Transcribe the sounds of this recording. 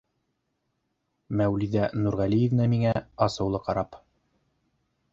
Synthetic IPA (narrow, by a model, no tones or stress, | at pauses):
mæwliðænuɾʁælijɘ̆vnæmiŋæɑsɤ̆wlˠɤqɑɾɑp